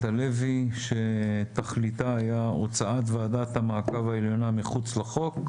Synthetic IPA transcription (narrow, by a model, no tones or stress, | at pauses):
t̪aleviʃet̪aχlit̪aːjaot͡saat̪vead̪at̪hamaːkavaeljo̞namiχut͡slaχo̞k